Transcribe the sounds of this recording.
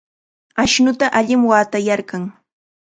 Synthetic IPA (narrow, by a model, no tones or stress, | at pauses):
aʃnʊt̪aʔaʎɪmwaːt̪ajaɾɢɑŋ